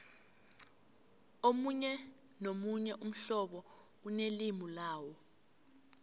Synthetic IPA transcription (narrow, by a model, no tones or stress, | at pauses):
omuɲɛ | nomuɲɛʔum̩ɬɔɓɔ | unelimulaːwɔ